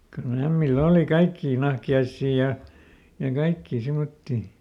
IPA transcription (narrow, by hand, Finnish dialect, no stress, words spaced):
kylː æmːilː oːli kɑikːiː nɑhkiɑisːiː jɑ jɑ kɑikːiː simotːiː